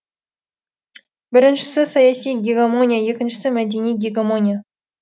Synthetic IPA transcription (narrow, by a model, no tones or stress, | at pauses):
bɪɾɪnʃɪ̥sɪsɑjɑsijɡʲeɡamonʲijaje̞kʲɪnʃɪ̥sɪmæd̪ʲenijɡʲeɡʲamo̞nʲija